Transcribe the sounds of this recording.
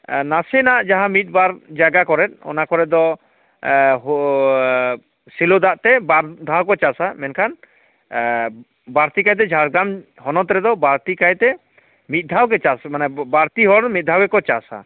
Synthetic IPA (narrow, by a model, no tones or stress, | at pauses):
nasɛnaʔd͡ʒaɦãmit̪̚baɾd͡ʒaɡakɔɾɛt̪̚ɔ̰nakɔɾɛd̪ɔ | ɦ | silod̪aʔt̪ɛbaɾd̪ʱawkɔt͡ʃasamɛnkʰan | baɾt̪ikajt̪̬ɛd͡ʒʱaɾɡɾam | hɔnɔt̪ɾɛd̪ɔbaɾt̪ikajt̪ɛ | mit̪̚d̪ʱawkɛt͡ʃasmanɛbaɾt̪iɦɔɽmit̪̚d̪ʱawɛkɔt͡ʃasa̰